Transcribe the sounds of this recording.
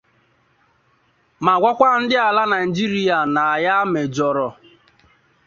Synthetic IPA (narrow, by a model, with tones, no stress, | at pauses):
ma˨ɡʷa˦kʷa˦n̩˦dɪ˦a˨la˦na˨i˨d͡ʒi˦ɾi˦a˨na˨ja˦me˨d͡ʒɔ˨ɾɔ˨